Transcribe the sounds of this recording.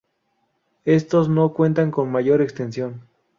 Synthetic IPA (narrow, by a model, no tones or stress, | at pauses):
est̪osnokwent̪aŋkonmaʝoɾekst̪ensjon